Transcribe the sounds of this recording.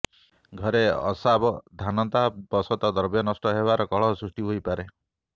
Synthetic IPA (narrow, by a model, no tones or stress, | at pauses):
ɡʱɔɾeɔ̰sabɔd̪ʱanɔt̪abɔsɔt̪ɔd̪ɔɾbjɔnɔsʈɔɦeβaɾɔkɔɭɔsɾusʈiɦojpaɾe